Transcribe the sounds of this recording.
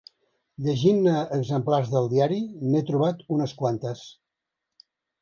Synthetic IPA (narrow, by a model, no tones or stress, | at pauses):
ʎəʒinəːɡzəmplarzðəlˠd̪iaɾimet̪ɾuβat̪unəskwant̪əs